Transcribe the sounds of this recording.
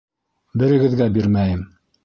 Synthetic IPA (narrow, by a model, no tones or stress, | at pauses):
bɘ̆ɾɘ̆ɡɘ̆ðɡæbiɾmæjɘm